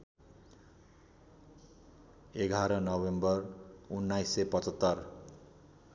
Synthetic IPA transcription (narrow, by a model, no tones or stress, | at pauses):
eɡʱaɾʌnʌbembʌrunːajsepʌt͡sʌt̪ːʌr